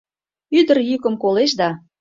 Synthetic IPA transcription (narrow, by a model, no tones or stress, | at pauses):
yd̪ərjykə̆mkoleʃd̪ɑ